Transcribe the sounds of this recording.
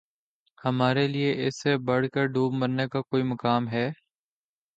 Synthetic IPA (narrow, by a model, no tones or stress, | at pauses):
həmaːɾelieʔɪsebəɽ̤kəɾɖuːbməɾnekakoːiməkaːmɦɛː